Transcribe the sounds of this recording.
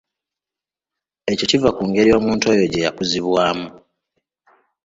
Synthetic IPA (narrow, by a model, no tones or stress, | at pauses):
e̞co̞civakuːŋɡe̞ɾio̞ːmuːnto̞ːjo̞ɟe̞jakuziβwaːmu